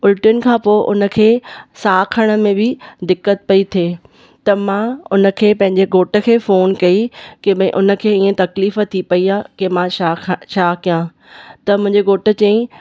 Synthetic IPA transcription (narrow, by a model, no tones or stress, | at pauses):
ʊlʈʊn̆kʰãːpoːʔʊ̰nə̆kʰeːsaːkʰəɽ̃ə̆mẽbʱɪd̪ɪkːət̪̚pɐit̪ʰeː | t̪ɐmãʊnə̆kʰeːpɐ̃ɦɪ̃ɲd͡ʑeɡoːʈə̆kʰeːfoːnkɐikeɓɐ̃ɪ̃ʔʊnə̆kʰeːiːẽt̪ɐkliːfət̪ʰipɐiaːkemãaʃaːkijã | t̪ɐmʊ̃ɦɪ̃ɲd͡ʑeɡoːʈə̆t͡ɕɐ̃ĩ